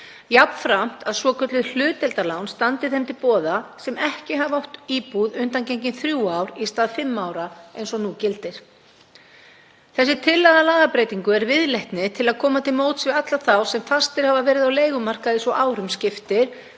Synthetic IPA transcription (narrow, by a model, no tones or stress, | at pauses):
japnfɾam̥t̪ʰaðsvɔkʰœt̪lɪðl̥ʏːt̪ɛlt̪alawnst̪ant̪ɪɾθɛmt̪ʰɪlpɔːðasɛmɛhcɪɦavawht̪iːpuðʏnt̪ancejɲcɪnθɾjuːaːwɾist̪aːðfɪmːaːwɾaejnsɔnuːcɪlt̪ɪɾ̥ | θɛs̬ːɪ̥t̪ʰɪlːaðalaːɣapɾeːjt̪iŋkʏɛɾvɪðlejht̪nɪt̪ʰɪlaðkʰɔːmat̪ʰɪlmoːwt̪svɪat̪laθawsɛmfast̪ɪɾ̥havavɛːɾɪðawleːjɣʏmar̥kaðɪsɔʔaːwɾʏmscɪft̪ɪɾ̥